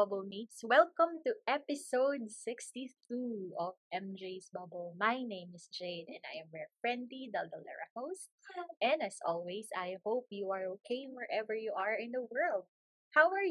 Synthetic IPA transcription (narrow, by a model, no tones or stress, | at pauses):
ʌbəlmit̪swɛlˠkə̃mt̪uʔɛpɪsoʊd̪̚sɪkst̪iθuɔvʔɛ̃md͡ʒeɪsbabɔlmajnẽɪ̃mɪsd͡ʒeɪd̪ɛ̃na̰jɛ̃mːɛɹfɹɛ̃nd̪lid̪ald̪ɐlɛ̰ɹakos | ʔɛ̃næsɔ̰lwɛsajhoʊpjuaɹokʰeɪnwɛɹʔɛvəɹjuʔaɹɪ̃nd̪ɐwɜ˞lˠd̪̚ | hawaɹj